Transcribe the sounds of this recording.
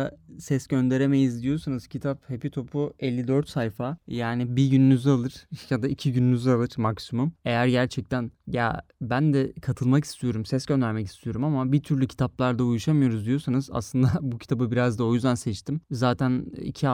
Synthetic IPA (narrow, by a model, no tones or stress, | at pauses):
asɛsɟø̞nd̪e̞ɾemejizd̪ijo̞sanɯz̥cʰit̪ʰaphe̞pit̪ʰo̞pʰuɛlʲːid̪øɾt̪sajfajaːnɪbiɟynynyzalˠɯɾ̥ʃjad̪aicʰiɟynynyzalˠɯɾ̥maksumume̞jæɾɟæɾt͡ʃʰɛc̚t̪ʰænja̰bænd̪ɛkʰat̪ʰɯlˠmaki̥st̪ʰijo̞ɾumsɛsɟønd̪æɾmɛci̥st̪ʰijo̞ɾumamabit̪ʰyɾlʲycʰi̥t̪ʰaplˠaɾd̪aujuʃamɯjo̞ɾuzd̪ijo̞sanɯza̰slˠɯnd̪abucʰi̥t̪ʰabɯbiɾazd̪ao̞jyzd̪ænsɛt͡ʃt̪ʰimzaːt̪ʰænḭcʰia